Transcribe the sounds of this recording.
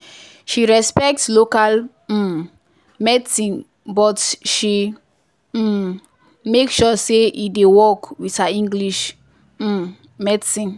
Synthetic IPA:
ʃiɹɛspɛk̚tslokal̩ | mɛtsĩn | bɔtʃi | mekʃɔseʔidewɔkwithaĩŋɡliʃ̩ | mɛtsĩn

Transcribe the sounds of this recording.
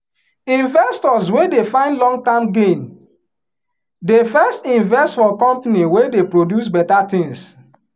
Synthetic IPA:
ĩnvɛstɔswedefãɪ̃ndlɔ̃ŋɡ̚tãmɡẽn | defɛstĩnvɛstfɔkɔ̃mpniwedepɹodjus̬bɛtatĩŋs

